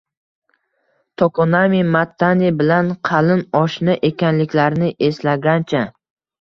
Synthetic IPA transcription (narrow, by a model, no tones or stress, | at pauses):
t̪ʰokʰonamimat̪ʰːanʲibɪlanqʰɑlɪnɒʃnaʔe̞kʲanlɪkʲlaɾnɪʔe̞slaɡʲant͡ʃʰa